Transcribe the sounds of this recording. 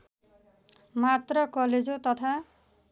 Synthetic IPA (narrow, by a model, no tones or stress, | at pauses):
mat̪rɔkɔled͡zot̪ʌt̪ʰa